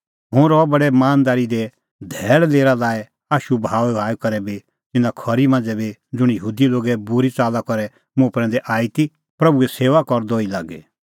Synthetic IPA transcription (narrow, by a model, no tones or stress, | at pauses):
ɦʊ̃ɾɔbɐɽɛmaːnd̪aːɾid̪ɛ | d̪ʱɛːɽleːɾalaːɛ | aːʃubʱaːɛaːukɐɾɛbi | t̪ɪnãkʰɔɾimɐ̃nd͡zɛbid͡zʊɽ̃jɐɦuːd̪iloːɡɛbʊɾit͡saːlakɔɾɛ | mʊ̃ɐpɾɛ̃nd̪ɛʔaːit̪i | pɾɐbuɛseːʋakɔɾd̪oilaːɡɛ̰